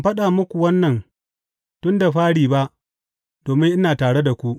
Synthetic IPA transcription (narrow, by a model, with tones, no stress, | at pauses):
ɸɐ˦ɗaː˨mʊ˦kʷu˨wɐ˦nːɐ˨n | tʊ˦nda˨ɸaː˦ɽiː˨ba˦ʔ | d̥oː˨mɪ˦ŋʔɪ˦naː˨taː˨ɽe˦da˨kʷu˦ʔ